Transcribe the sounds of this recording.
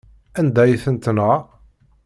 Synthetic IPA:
ænd̪æjθənt̪nə

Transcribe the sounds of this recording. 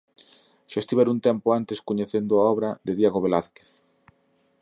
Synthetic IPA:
ʃaest̪iβɛɾunt̪ɛmpʊant̪eskoɲeθend̪ʊaɔβɾɐd̪eðjaɣoβelaθke̥θ

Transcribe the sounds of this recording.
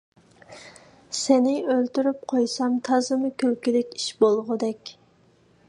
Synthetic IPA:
senɪølt̪yɾyp̚qʰojsɑmt̪ʰɑzɨmɨkʲʰylkʲilɪkʲiʃbolˠʁʊd̪ɛkʲ

